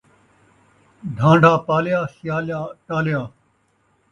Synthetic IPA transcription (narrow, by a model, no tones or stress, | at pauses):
d̪ʱãːɳɖʱaːpaːljaːsjaːljaːʈaːljaː